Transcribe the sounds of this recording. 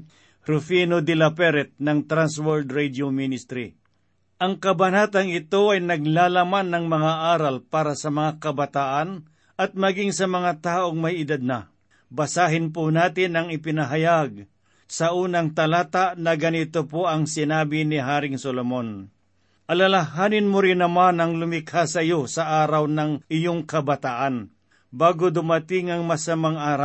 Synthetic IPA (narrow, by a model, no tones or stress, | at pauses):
ɾʊfinod̪ɪlɐpɛɾɛt̪̚nɐŋt̪ɾanswoɾd̪ɾɛd̪ominɪst̪ɾi | ʔɐŋkɐbɐnaːt̪ɐŋɪt̪o̞ʔɐjnɐɡ̚laːlɐmanːɐŋmɐŋaʔaːɾɐlpaːɾɐsɐmɐŋakɐbɐt̪aːʔan | ɐt̪̚mɐɡɪŋsɐmɐŋat̪aːʔoŋmajɪd̪ad̪̚nɐ | bɐsaːɦɪnp̬ʊnaːt̪ɪnɐŋɪpɪnɐɦɐjaɡ̚ | sɐʔuːnɐŋt̪ɐlaːt̪aʔnɐɡɐnɪt̪opoɐŋsɪnaːbɪniɦaːɾɪŋsolomon | ʔɐlalaɦaːnɪnmʊɾɪnɐmanɐŋlʊmɪkhasɐjosɐʔaːɾawnɐŋɪjoŋkɐbɐt̪aʔan | baːɡod̪ʊmat̪ɪŋɐŋmɐsɐmaŋaːɾa